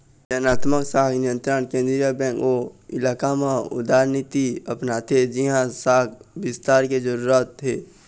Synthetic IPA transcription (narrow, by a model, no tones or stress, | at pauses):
d͡ʒənaːt̪məksaːkʰnijə̃nt̪ɾaɳ̃kẽːnd̪ɾijabɛ̃ːkoɪlaːkamãʊ̰d̪aːɾnit̪iəpnat̪ʰed͡ʒɪɦãsaːkʰbɪst̪aːɾked͡ʒəɾuɾaːt̪ɦe